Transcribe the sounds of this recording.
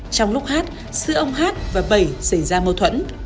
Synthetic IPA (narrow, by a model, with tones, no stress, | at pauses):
t͡ɕɔ˧wŋ͡mlʊ˦˥k͡p̚haː˦˥t̚ | sɨ̰˧˥əʔə˧wŋ͡mɦaː˦˥t̚vaː˨˩ɓə˨˩jsə˧˩jzaː˧mə˧wt̪ʰwə̰˧˥n